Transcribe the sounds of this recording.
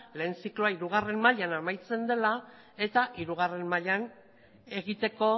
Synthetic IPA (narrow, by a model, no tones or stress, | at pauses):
le̞ːnt͡sikloaiɾuɣ̞are̞mmaʎanamajt͡se̞nd̪e̞la | e̞t̪aʔiɾuɣ̞are̞mmaʎan | e̞ɣit̪e̞ko̞